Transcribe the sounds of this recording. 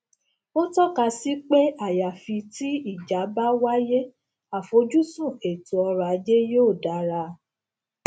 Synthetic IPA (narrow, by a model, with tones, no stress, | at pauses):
o˦tɔ˦˨ka˧si˦k͡pe˦a˦˨ja˨fi˧ti˦i˦˨d͡ʒa˨˦ba˦wa˦je˦ | a˨fo˨˦d͡ʒu˦sũ˦˨e˨tu˨ɔ˧ɾa˨˧˦d͡ʒe˦joː˦˨da˨˦ɾa˧